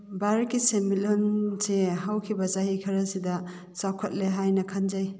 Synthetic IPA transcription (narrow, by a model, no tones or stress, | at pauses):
baɾkːisemilonseɦawkʰibɐzaɦikʰɐɾɐsidɐ | sawkʰɐt̚leɦajnɐkʰand͡ʒaj